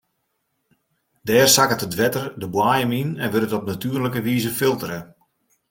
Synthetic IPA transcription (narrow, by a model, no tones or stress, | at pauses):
dɛːrsakətədʋɛtərdəbwajəminɛnʋɪɾətɔp̚natyərləkəʋiːzəfɪlˠtəɾə